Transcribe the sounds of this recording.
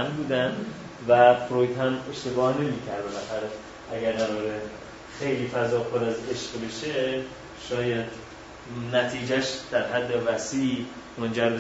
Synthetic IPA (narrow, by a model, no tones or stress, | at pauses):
mbuːd̪ænd̪ | væfɾojt̪hæme̞ʃt̪e̞bɒːhne̞miːkʰæɾd̪emæxæɾæ | æɡæɾnæd̪ɒːɾe | xe̞jliːfæzɒːpʰoɾæze̞ʃqbe̞ʃe | ʃɒːjæd̪ | næt̪ʰiːd͡ʒæʃd̪̥æɾɦæd̪ːevæsiːʔ | mond͡ʒæɾbe